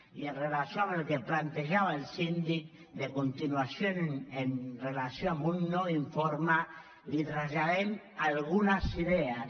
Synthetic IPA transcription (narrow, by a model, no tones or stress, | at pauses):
ienrelasjoamelkeplant̪eʒaβaelsind̪ik̚ | d̪ekont̪inwasjonenrelasjoamunːoiɱfoɾma | lit̪ɾazʎaðen | alɣunasiðea